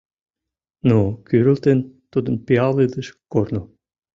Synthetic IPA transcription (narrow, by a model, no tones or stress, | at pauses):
nokyɾə̆lt̪ent̪ud̪ə̆npiɑlˠed̪əʃkorno